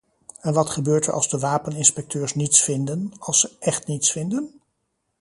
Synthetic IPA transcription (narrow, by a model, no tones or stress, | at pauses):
ɛnʋɑtχəbøːɹtə̰ɹʔɑ̰lˠzdəʋaːpənɪnspɛk̚tʰøːɹsnitsfɪndənɑlˠsəʔɛχtnitsfɪndən